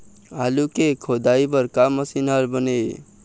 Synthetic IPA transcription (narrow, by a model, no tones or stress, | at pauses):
alukekʰod̪aibəɾkamːəsinəlbəne